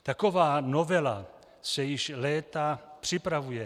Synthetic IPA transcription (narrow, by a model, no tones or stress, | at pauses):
t̪akovaːnovɛla̰ | sɛjɪʃlɛːt̪apr̝̥ɪpɾavujɛ